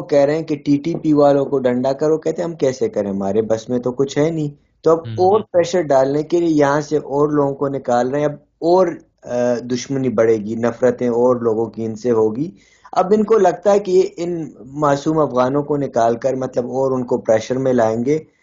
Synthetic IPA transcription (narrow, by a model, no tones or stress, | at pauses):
okɛɦɾeɦɛ̃keʈiːʈiːpiʋaːlõkoɖɐ̃ɳɖakɐɾʋokɛɦt̪ẽɦɐ̃mkɛːsekɐɾẽɦɐmaːɾebɐsmẽt̪okʊt͡ʃʰɦɛnĩː | t̪oɐbɔːɾpɾɛːʃəɾɖaːlnekeliejɐɦãseʔɔːɾloːɡõkonɪkaːlɾɐɦɛ̃ɐb̚ | ɔːɾ | d̪ʊʃmənibɐɽeːɡinɐfɾət̪ẽɔːɾloːɡõkiɪnseɦoːɡiː | ɐ̰bɪnkolɐɡ̚t̪aɦɛkejeʔɪnmaːsuːmɐfɣaːnõkonɪkaːlkɐɾmɐt̪ləbɔːɾʊnkopɾɛːʃəɾmẽlaːẽːŋɡeː